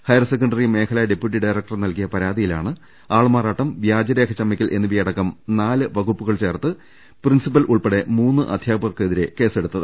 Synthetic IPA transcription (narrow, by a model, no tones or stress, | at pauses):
hɐjɐrɐsekːɐɳɖɐrijme̞ːkʰɐlɐjɖe̞pjuʈ̬ːiɖɐjrɐk̚ʈɐrnɐlkijɐpɐɾaːd̪ijilaːɳɨ | aːɭmaːraːʈːɐmʋjaːd͡ʑɐɾe̞ːkʰɐt͡ɕɐmːɐkʲːilʔe̞nːɨʋijɐɽɐkːɐmnaːlɨʋɐɡupːuɣɐɭt͡ɕe̞ːrt̪ːɨ | prinsip̬ːɐlʔuɭpeɽe̞muːnːɨʔɐ̰d̪ʱjaːpɐrkeðiɾe̞ke̞ːse̞ɽut̪ːɐðɨ